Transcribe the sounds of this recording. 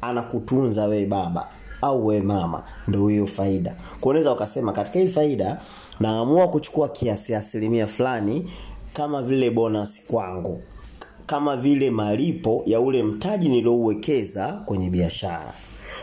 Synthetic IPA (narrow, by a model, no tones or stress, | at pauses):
anakutunzawɛɛɓaɓa̰ | auwɛɛmama̰ndɔhijɔfaiɗa̰ | kwɔunaɛzaukasɛmakati̥kaiifaiɗa | naːmuakut͡ʃu̥kuakʰiasiaːsilimiafulanikamavilɛɓɔnasi̥kwaŋɡu | kamavilɛmalipɔjaulɛm̩taʄiniliɔuwɛkɛzakwɛɲɛɓiaʃa̰ɾa̰